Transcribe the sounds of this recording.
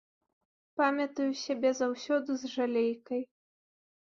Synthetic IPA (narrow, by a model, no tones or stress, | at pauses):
pamʲɐt̪ɐjusʲabʲɛzawsʲɔd̪uzʐalʲejkɐj